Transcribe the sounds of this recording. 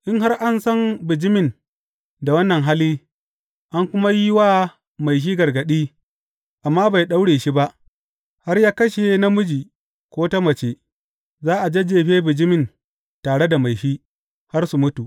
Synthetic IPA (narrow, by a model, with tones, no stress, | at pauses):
ʔɪ˦ŋɦa˦rʔa˦nsɐ˦mbɪ˨d͡ʒɪ˦mɪ˨n | da˨wɐ˦nːɐ˨ŋɦa˦liː˦ | ʔa˦ŋkʷʊ˦ma˦ji˦waː˦ | ma˨jʃ̬iː˦ɡɐ˨rɡɐ˨ɗiː˦ | ʔa˨mːaː˦ba˨jɗa˦wɽeː˨ʃi˦ba˦ʔ | ha˦rjaː˦kɐ˦ʃe˨na˦mʊ˦d͡ʒiː˨ | kʷoː˦ta˦mɐ˨t͡ʃe˦ | zaː˦ʔa˨d͡ʒe˦d͡ʒeː˨ɸeː˦bɪ˨d͡ʒɪ˦mɪ˨n | taː˨ɽe˦da˨ma˨jʃiː˦ | ha˦rsu˨mʊ˦tu˨ʔ